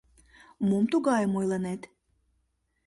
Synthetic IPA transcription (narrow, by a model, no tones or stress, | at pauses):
mumt̪uɡɑjəmojlˠənet̪